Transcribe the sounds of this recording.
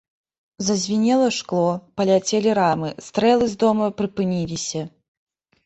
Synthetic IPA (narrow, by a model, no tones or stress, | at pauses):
zɐzʲvʲinʲɛlˠɐʂklˠɔpɐlʲat͡sʲelʲiɾamɨst̪ɾɛlˠɨzd̪ɔmɐpɾɨpɨnʲilʲisʲɐ